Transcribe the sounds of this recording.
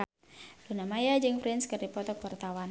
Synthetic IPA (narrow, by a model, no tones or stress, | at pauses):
lunamajad͡ʒɨŋfɾɛnskɨrdipɔt̪ɔkərt̪awan